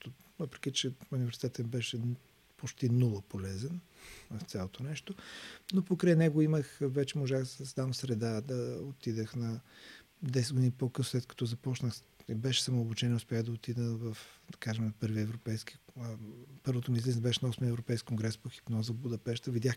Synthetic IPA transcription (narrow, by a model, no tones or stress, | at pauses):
t̪ovəpɾɛ̥k̟it͡ʃɛunivɛɾsi̥t̪ɛt̪ɐnibɛʃɛ | pot͡ʃt̪inulˠəpolɛzɛn | vɐft̪sʲjalˠot̪onɛʃt̪onopokɾajnɛɡoiməxvɛt͡ʃɛmoʒaxsd̪avɐmsɾɛd̪ad̪ɐot̪id̪əxnɐ | d̪ɛsɛd̪ɡod̪inipokəsoslɛt̪kɐ̥t̪ɔzɐpɔt͡ʃnəxibɛʃɛ̥sɐmoobut͡ʃɛniɛʊspʲjaxd̪ɐot̪id̪əvɐfd̪ɐkaʒɛmpɤɾviɛvɾopɛjski̥ | pɤɾvot̪omizliznbɛʃɛnɐɔsmiɛvɾopɛjskikːoŋɡɾɛspoxi̥pnɔzəbud̪ɐpɛʃt̪əvid̪jax